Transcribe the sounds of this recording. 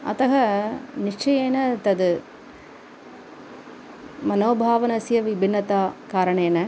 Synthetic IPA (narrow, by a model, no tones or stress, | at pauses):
ɐ̰t̪ɐɣɐnɪʂt͡ʃɐjeːnɐt̪ɐðɯ | mɐnoːbʱaːʋɐnɐsjɐʋɪbʱɪnːɐt̪aːkaːɾɐɳɐ̃ɛnːɐ